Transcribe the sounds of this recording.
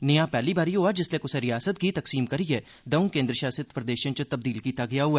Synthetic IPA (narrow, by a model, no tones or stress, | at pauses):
nɪjapɛːlibaːɾiɦuad͡ʒɪslekʊseɾijaːsət̪ɡit̪ɐksiːmkɐɾiɦeː | d̪ɐũkẽːnd̪ɾəʃaːsɪt̪pɾɐd̪eːʃə̃nt͡ʃət̪ɐb̚d̪iːlkiːt̪aɡɪjaɦʊɛː